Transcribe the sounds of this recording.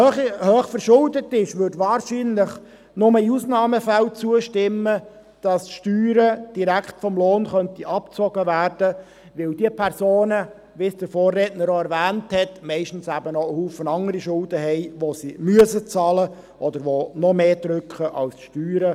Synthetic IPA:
høːχfəɾʃʊldətːɪʃʋʏɾdʋɑːɾʃiːnlɪχ | nʊməiusnɑːməfælt͡suəʃtɪmːə | d̥ɑsʃtyːɾəd̥iɾækχtfɔmloːnχœntiʔɑpt͡sɔɡ̥əʋæːrd̥ə | ʋɪld̥iəpʰɛɾsoːnə | ʋisd̥əɾfoːrːɛːtnəɾoɛɾʋæːnthɛtmɛɪʃtn̩sæbənɔəhuːfənɑŋəɾiʃʊldəɦɛɪʋosimyəsət͡sɑːlə | ʔɔd̪əɾʋonɔmeːd̥ɾʏkχəʔɑ̰lsʃtyːɾə

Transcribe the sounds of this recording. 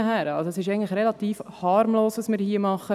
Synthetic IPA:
ɦæɾəɑ̰lsoɛsɪʃɛɪɡŋ̩tləχɾɛlɑt̪iːfhɑɾmloːsʋɑsmɪːɾhiəmɑχːə

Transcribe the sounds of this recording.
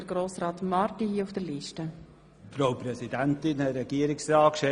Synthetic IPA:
ɾɡɾoːsɾɑːtmɑɾtihiːəufd̥əɾliʃtə | fɾawpɾɛsidænt̪ɪnɛɾɛɡ̥iːəɾɪksɾɑːkʃɛ

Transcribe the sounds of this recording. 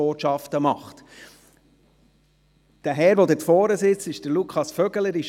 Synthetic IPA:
oːʃɑftəmɑχt | d̥æɦɛɾʋod̪ɪtfɔːɾəsɪt͡stɪʃd̥əɾlukʰχɑsfœɡ̥ələɾɪʃ

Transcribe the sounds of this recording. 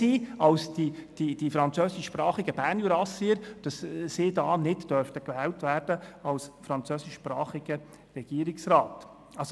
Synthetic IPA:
iːɑlsd̥id̥idifɾɑnt͡søːsɪʃːpɾɑːχɪɡəbæːnjyɾɑsiəɾd̥ɑsːidɑːnɪtd̥œɾftəkʋɛːltvæːɾd̥əɑlsfɾɑnt͡søːsɪʃʃpɾɑːχiɡə | rɛɡ̥iːəɾɪksɾɑːt | ɑs

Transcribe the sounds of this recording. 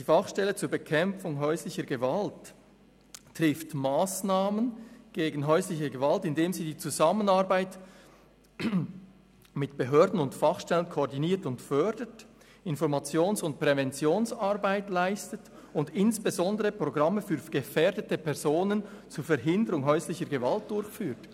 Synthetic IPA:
d̥iːfɑχʃtɛlət͡suːɐbəkʰɛmp͡fʊŋɦɔʏslɪçəɡəvalt | ʁɪftmaːsnaːmənɡ̥eːɡn̩ɦɔʏslɪçəɡəvaltɪndeːmziːdiːt͡suzamənaʁbaɪt | mɪtb̥eɦøːdn̩ʊntfɑχʃtɛlənkʰoɔdiniːtʊntfœɐdət | ɪnfɔɾmɑt͡sjoːnsʊnt̚pʁ̥ɛvɛnt͡sjoːnsaɾbaɪtlaɪstət | ʊndɪnsb̥ezɔndəʁəpʁ̥oɡʁɑmːəfyːɾɡ̥əfɛːɐdətəpʰɛʁzoːnənt͡suːɾfɛɾɦɪndəɾʊŋɦœʏslɪçəɾɡəvalt̚d̥ʊɾçfyːt

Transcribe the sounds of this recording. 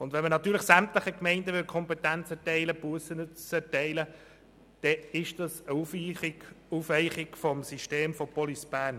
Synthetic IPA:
ʊnd̪ʋɛnmənɑt̪ːyːɾləχsæmtləχəkmɛɪndəʋʏlkʰɔmpɛt̪ænt͡sɛtɛɪləpuəsənət͡sɛɾtɛɪlə | d̥ɛɪʃd̥ɑsəu | ufʋɛɪχɪkfɔmsiʃteːmfɔpɔlisb̥æːɾn

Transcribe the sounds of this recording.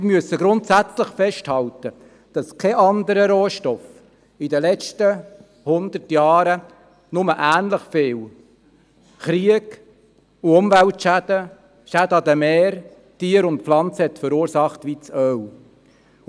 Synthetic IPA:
myəsəɡɾʊnt̪sæt͡sləχfɛʃthɑlt̪ə | d̥ɑskʰɛʔɑnd̪əɾəɾoːʃtɔf | id̪əlɛt͡ʃtə | hʊnd̪ətjɑːɾə | nʊməʔæːnləχfɪːw | χɾiəɡ | uʊmʋæltʃæd̥̪ə | ʃæd̪əɑd̪əmɛːɾ | tiːəɾʊntpflɑnt͡səhɛt̪fəɾuːɾsɑχt̪ʋit͡sœw

